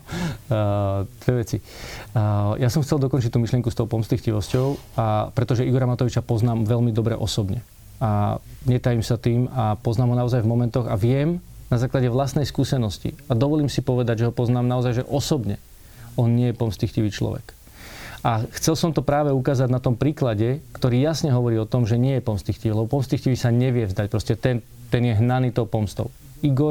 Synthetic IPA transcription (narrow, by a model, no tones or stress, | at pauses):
d̪̥ʋɛʋɛt͡si | jasɔmxt͡sɛlˠd̪ɔkɔnt͡ʃict̪uːmiʃlɪɛŋkust̪ɔʊpɔmst̪lixciʋɔscɔʊapɾɛt̪ɔʒɛiɡɔɾamat̪ɔʋit͡ʃapɔznaːmʋɛlmid̪ɔbɾɛ̰ʔɔsɔbɲɛ̰ | aɲɛt̪aːjimsat̪iːmapɔznaːmɦɔnaɔzajvmɔmɛnt̪ɔɣa̰ʋɪɛmnazaːklaɟɛʋlasnɛjskuːsɛnɔscḭad̪ɔʋɔliːmsipɔʋɛd̪aɟʒɛɦɔpɔznaːmnaɔzajʒɛʔɔsɔbɲɛ | ʔɔnɲɪɛjɛpɔmst̪ixciʋiːt͡ʃlɔ̰ʋɛ̰k | axt͡sɛlsɔmt̪ɔpɾaːʋɛukaːzaɟnat̪ɔmpɾiːklaɟɛkt̪ɔɾiːjasɲɛɦɔʋɔɾiːɔt̪ɔmʒɛɲɪɛjɛpɔmst̪ixciʋilɛbɔpɔmst̪ixciʋisaɲɛʋɪɛvzd̪ac̚pɾɔscɛt̪ɛn | t̪ɛnjɛɦnaniːt̪ɔːpɔmst̪ɔ̰ʊ | iɡɔɾ